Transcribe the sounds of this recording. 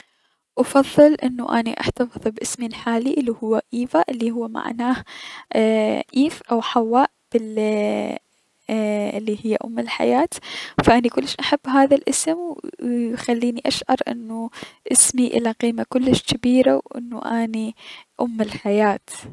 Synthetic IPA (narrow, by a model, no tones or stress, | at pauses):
ʔɑfɑðˤːɨlʔɪnːuʔa̰niʔa̰ħt̪ɑfɨðˤbʔɪsmilħaːliʔɪlːihʊwːaʔiːvaʔɪlːihʊwːama̰ʕnaːh | ʔiːfʔawħawːaːʔb̥ɪl | ʔɪlːihɪjːa̰ʔʊmːɪlħa̰jaːt̪faʔanikʊlːɪʃʔaħabːɦaːðalʔɪsmwjxalːiːniʔaʃʕɑ̰ɾˤʔɪ̰nːuʔɪsmiʔɪ̰laqiːmakʊlːɪʃkɪbiːɾawʔɪ̰nːṵʔaːniʔʊmːɪlħajaːt̪